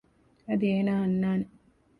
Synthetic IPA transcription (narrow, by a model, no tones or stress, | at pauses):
ɐd̪ieːnaɦɐnːaːne